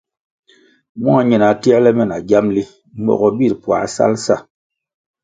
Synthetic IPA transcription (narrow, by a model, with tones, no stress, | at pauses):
m˦ɔ˦a˨ɲi˨na˨tɛ˦lɛ˦mɛ˦˨na˨ɡja˦mli˦ | m̩˦bɔ̰˨ɣɔ˨bi˦˨ɾpwa̰˨sa̰˦lsa˦˨